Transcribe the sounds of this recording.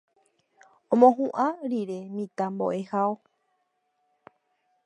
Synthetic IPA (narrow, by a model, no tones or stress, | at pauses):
õmõɦũʔãɾiɾe̞mĩt̪ambo̰ʔe̞hao